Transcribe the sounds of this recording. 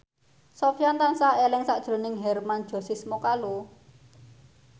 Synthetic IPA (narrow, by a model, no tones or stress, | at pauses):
sɔfijant̪ansaelɪŋsaʔd̥ʒ̥ɾo̤nɪŋɦɛrmand̥ʒ̥ɔ̤sɪsmokalo